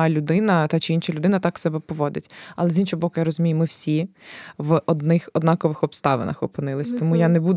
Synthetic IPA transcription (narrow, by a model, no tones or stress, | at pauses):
lʲʊd̪ɪnɐt̪ɑt͡ʃɪinʃɐlʲʊd̪ɪnɐt̪ɑksɛbɛpɔʋɔd̪ɪtʲɐlˠɛzʲinʃɔɦɔbɔkʊjaɾɔzʊmʲijʊmɪwsʲiʋɔd̪nɪxɔd̪nɑkɔʋɪxɔpst̪ɑʋḛnɐ̰xɔpɪnɪlˠɪsʲt̪ɔmujanɛbud̪